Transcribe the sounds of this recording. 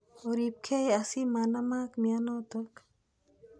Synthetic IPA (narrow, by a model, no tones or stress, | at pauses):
oɾip̚kʰejasimaːnɐmaːkmijanoːt̪ɐk